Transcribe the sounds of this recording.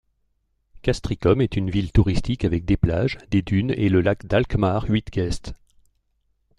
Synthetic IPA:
kast̪χikɔmɛt̪ynvilt̪uʁist̪ikavɛk̚d̪eplaʒd̪ed̪yneləlakd̪alkmaʁɥit̪ɡ̥ʲɛst̪

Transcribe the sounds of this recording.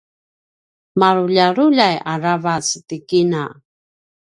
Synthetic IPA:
maɾuʎaɾuʎajaɾavasitikina

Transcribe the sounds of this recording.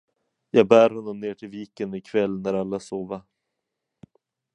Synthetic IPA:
jɑːɡ̚bæːɾhɔnːɔmneːʈʰɪlviːkənɪkʰvɛlːnæɾalːasoːvaɾ

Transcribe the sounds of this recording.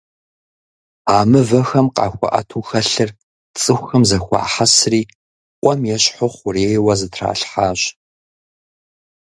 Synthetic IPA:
aːmɨvɐxɐmqɑ̰ːxʷɐ̰ʔɐ̰tʰuːxɐɬɨr | t͡sʼɨxʷxɐmzɐxʷɑ̰ːħɐsriː | qʷʼɔmjɛɕħʊχʷʊreːjwɐzɨtʰra̰ːɬħaːɕ

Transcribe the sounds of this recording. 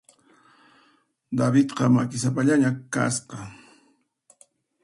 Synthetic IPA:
d̪abɪt̪qɑmakɪs̬ap̬aʎaɲaka̰sqɑ

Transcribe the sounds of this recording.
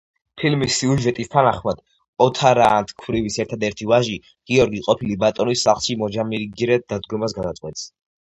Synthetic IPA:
pʰilmisːiuʒɛt̪ʼist̪ʰanaχmad̪̥ | ɔt̪ʰaɾaːnt̪ʰkʰvɾivisɛɾt̪ʰad̪ɛɾt̪ʰivaʒi | ɡ̥iɔɾɡiqʼɔpʰilibat̪ʼɔnisːaχlˠʃimɔd͡ʒamiɾiɡiɾɛd̪ad̪ɡɔmas̬ɡad̪at̪sʼqʼwɛt̪s

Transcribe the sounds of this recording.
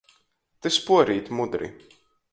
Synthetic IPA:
t̪espuɔɾiːt̪ʲmud̪ɾḭ

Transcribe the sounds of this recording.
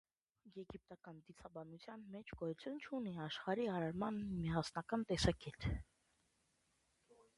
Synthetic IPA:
jɛɡip̚t̪ɑkɑnd̪it͡sʰɑbɑnut͡sʰjɑnmɛt͡ʃʰɡɔjut͡sʰjunt͡ʃʰuniɑʃχɑɾiɑɾɛɾmɑnmiɑsnɑkɑnt̪ɛsɑkɛt̪ʰ

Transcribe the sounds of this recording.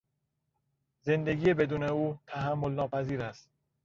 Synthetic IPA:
ze̞nd̪e̞ɡiːebe̞d̪uːneuːt̪ʰæɦæmːo̞lnɒːpʰæziːɾæst̪

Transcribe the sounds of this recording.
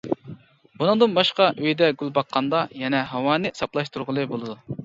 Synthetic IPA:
b̥unɨŋd̪ɨnbɑʃqɑʔøjd̪ɛɡʲylˠbɑqʰːɑnd̪ɑjɛnɛɦɑwɑːnɨsɑplˠɑʃt̪uɾʁəlˠɨbolˠɨd̪u

